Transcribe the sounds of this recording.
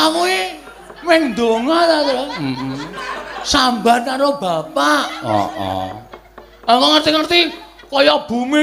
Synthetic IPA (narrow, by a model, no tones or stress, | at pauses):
amue | mɛŋnd̪oŋat̪at̪ɾa | samba̤naɾob̥a̤paʔɔ̰ʔɔ̰ | aŋɔŋərt̪iŋərt̪ikɔjɔb̥umi